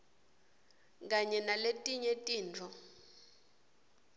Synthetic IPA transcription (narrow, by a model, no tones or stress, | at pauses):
k̬aɲɛnaletʼiɲɛtʼiːnt͡fʰɔ